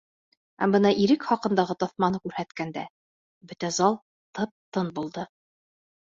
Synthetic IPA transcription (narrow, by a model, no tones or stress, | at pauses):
æ̰mbɤnɑʔiɾɘkχɑqɤ̆nd̪ɑʁɤt̪ɒθmɑnɤkʉɾhæt̪kænd̪æ̰ | bɵt̪æzɑlˠ | t̪ɤp̚t̪ɤnbulˠd̪ɤ